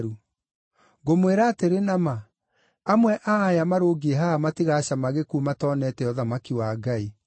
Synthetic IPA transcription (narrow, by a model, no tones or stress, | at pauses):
ɾu | ɣomweɾaːteɾenama | amwɛʔaːjamaɾoɡiɛɦaamatiɣaːɕamaɣekumatɔːnɛtɛɔðamakiwaɡai